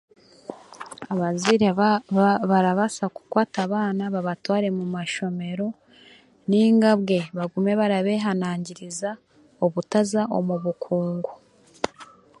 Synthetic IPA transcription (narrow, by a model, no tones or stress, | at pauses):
aβaziɾe | βaɾaβasaku̥kwaːtaβaːnaβaβatwaːɾe̞mumaʃo̞me̞ɾo̞ | niːŋɡabɡe̞βaɡume̞βaɾaβe̞ɦanaːɲɟiɾiza | oβutazaʔomuβukʰuːŋɡu